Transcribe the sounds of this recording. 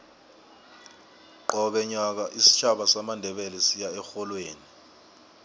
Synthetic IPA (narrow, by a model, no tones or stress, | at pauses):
ǃɔɓɛɲak̬aʔisi̥t͡ʃʰaɓasamandʱɛɓɛlɛsijaɛxɔlweːni